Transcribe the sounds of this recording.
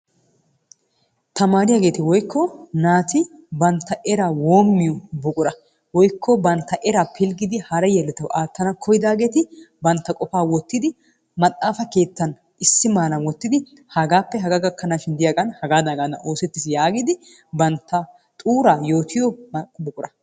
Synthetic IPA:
t̪ɐmaːɾɪjaːɡe̞ːt̪ɪwɔjkʰːɔnaːt̪ʰɪbɐnt̪ːɐʔɛɾawo̞ːmːɪjɔbɔkʼʊɾɐ | wɔjkʰːɔbɐnt̪ːɐʔɛɾaːpʰɪlɡɪd̪ɪhɐɾɛjɛlːɛt̪ɐwaːt̪ːɐnɐkʰɔjɪd̪aːɡe̞ːt̪ɪbɐnt̪ːɐkʼɔfaːwɔt̪ːɪd̪ɪ | mɐt̪ʼːaːfɐke̞ːt̪ːɐn | ʔɪsːɪmaːlɐnwɔt̪ːɪd̪ɪ | hɐɡaːpːɛɦɐɡaɡɐkʰːɐnaːʃɪnd̪ɪjaɡʼɐnhɐɡaːd̪ɐɡad̪ɐ̰ʔo̞ːsɛt̪ːɪsjaːɡɪd̪ɪ | bɐnt̪ʰːɐ | t̪ʼuːɾaːjo̞ːt̪ʰɪjɔbɔkʼʊɾɐ

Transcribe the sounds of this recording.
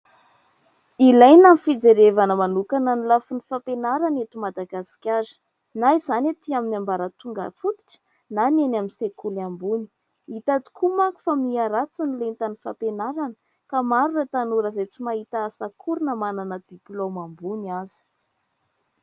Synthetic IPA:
ilajnamifid͡zeɾevanəmanukananilafunifapenaɾanet̪umad̪aɡasi̥kʲaɾ̥ | naizanat̪iaminambaɾət̪uŋɡa̰fut̪i̥ʈ͡ʂə̥ | nanenaminsekulambuni̥ | it̪at̪i̥kʰumaku̥famiaɾat͡sinilent̪anifapenaɾanə̥ | kamaɾuret̪anuɾəzejt͡simaɦit̪aːsakʰuɾunəmananəd̪̥iplomambuniazi̥

